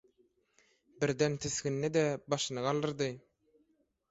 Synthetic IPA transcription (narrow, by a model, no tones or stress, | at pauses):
biɾd̪ent̪ʰeskinːed̪ɛbɑʃɯnɯɡɑlˠd̪ɯɾd̪ɯ